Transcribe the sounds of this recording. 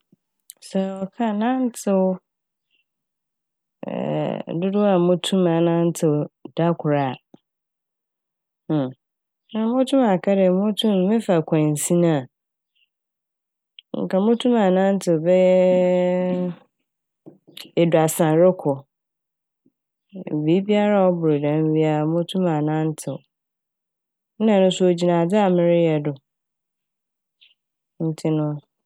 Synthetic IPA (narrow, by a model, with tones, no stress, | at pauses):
sɛ˨ɔ˨kʰa˦nã˦n˦t͡sʰɪ˦ | ɛ̰˨dʊ˦dʊ˦a˨mʊ̃˦tʰũ˦mã˨nã˦n˦tʰɪ˨da˦kʰʊ˨ɾa˨ | nã˦˨˦mʊ̃˦tʰũ˦ma˨kʰa˦ɾɛ˨mʊ̃˦tʰũ˦m˦mɪ̃˦fa˨kʰã˨n˨sĩ˦nã˦˨ | ŋ̩˨kʰa˨mʊ̃˦tʰũ˦mã˨nã˦n̩˦tʰɪ˨bɛ˦jɛ˦ | ɛ˨dʊ˨a˨sã˨ɾɪ˦kʰɔ˨ | bi˦bi˦a˦ɾa˦ɔ˦bʊ˨ɾɪ˨dã˨m˦bi˦a˨mʊ̃˦tʰũ˦mã˨nã˦n˦tʰɪ˨w | ã˨nʊ̃˦sʊ˦o˨d͡ʑi˨nã˨d͡zɪ˦a˨mɪ̃˦ɾɪ˦jɛ˨dʊ˨ | n̩˦tʰɪ˦nʊ̃˦˨